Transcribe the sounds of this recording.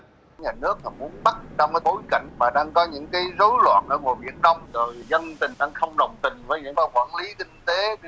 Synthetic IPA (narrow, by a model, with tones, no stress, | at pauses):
ɲaː˨˩nɨ˦˥ək̚naː˨˩mu˨˦ənɓa˦˥t̚t͡ɕɔ˧wŋ͡mkaː˨˦ɓo˨˦jka̰˧˨jŋ̟maː˨˩ɗaː˧ŋkɔ˨˦ɲɨ̰˧˥ŋkaː˨˦jzo˨˦jlwa̰ː˧˨nʔəː˧˩ŋo˨˩ɓḭ˧˩ənːa˧wŋ͡mzo˨˩jzə˧nt̪ï˨˩ŋɗaː˧ŋxə˧wŋ͡mɗə˨˩wŋ͡mt̪ï˨˩ŋ̟vəː˨˦jɲɨ̰˧˥ŋkaː˨˦jkwa̰ː˧˩nli˨˦k̪ï˧ŋt̪e˨˦